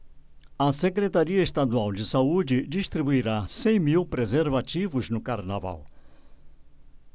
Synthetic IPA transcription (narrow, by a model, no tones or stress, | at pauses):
ɐsekɾet̪aɾiɐest̪ad̪uawd͡ʒɪsaud͡ʒɪd͡ʒist̪ɾibuiɾasẽj̃miwpɾezeɾvat͡ʃivʊznʊkaɾnava̰w